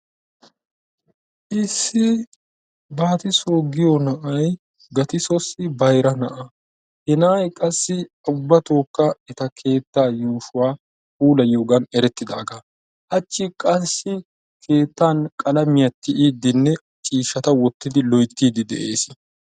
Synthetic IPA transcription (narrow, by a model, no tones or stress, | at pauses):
ʔɪsːɪ | baːt̪ɪsoːɡɪjɔnɐʔɐj | ɡɐt̪ɪsɔsɪbɐjɾɐnɐʔɐ | hɛnaːjkʼɐsːɪ | ʊbːɐt̪o̞ːkːɐɛt̪ɐkʰe̞ːt̪ːaːjuːʃʊwaː | uːlɐjoːɡɐnɛɾɛt̪ːɪd̪a̰ːɡa | ʔɐt͡ʃːɪkʼɐsːɪ | kʰe̞ːt̪ːaːnkʼɐlɐmɪjɐt̪ːɪʔiːd̪ːɪnːɛ | t͡ʃʼiːʃːɐt̪ɐwɔt̪ːɪd̪ɪlɔjt̪ːiːd̪ɪd̪ɛ̰ʔe̞̰ːs